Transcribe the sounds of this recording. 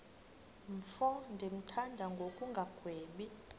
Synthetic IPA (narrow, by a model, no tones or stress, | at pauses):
ɱfɔndʱem̩tʰandʱaŋɡʱokʼuŋɡʱaɡ̥ʱweːɓi